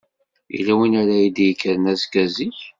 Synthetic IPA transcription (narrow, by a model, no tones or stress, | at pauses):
ḭlːæwinaɾæjid̪jəkːəɾnæzkːæziç